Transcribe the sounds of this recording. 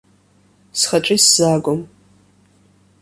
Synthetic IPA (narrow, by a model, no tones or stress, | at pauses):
sχɐt͡ʃʼisz̥aːɡʷɔm